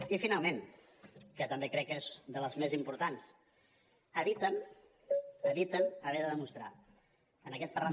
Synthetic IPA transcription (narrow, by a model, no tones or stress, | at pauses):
ifinalˠmen | kət̪əmbekɾɛkːezðələzmezimpuɾt̪ans | əβit̪ən | əβit̪ənəβɛðəðəmust̪ɾa̰ | ənəkɛt̪̚pəra